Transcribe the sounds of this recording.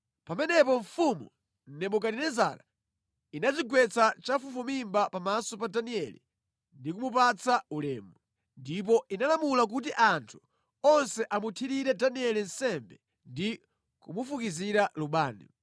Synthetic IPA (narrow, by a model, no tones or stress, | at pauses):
pamɛnɛpɔɱfumṵ | n̩nɛmuk̬aɾinɛza̰ːla | inat͡ʃiɡwɛt͡sat͡ʃafufumimbapamasɔpadaniɛlḭ | ndikumup̬at͡saulɛːmɛ | ndip̬ɔʔinalamulak̬ut̬iʔantʰu̥ | ɔnsɛʔamutʰiɾiɾɛdaniɛlin̩sɛmbɛ | ndi | kumufukiziɾaluɓaːnḭ